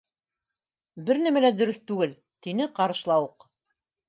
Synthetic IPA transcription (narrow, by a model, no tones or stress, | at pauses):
bɘɾnæmælæd̪ɵ̆ɾɵθt̪ʉɡɘl | t̪inɘqɑɾɤ̆ʃlˠɑwɤq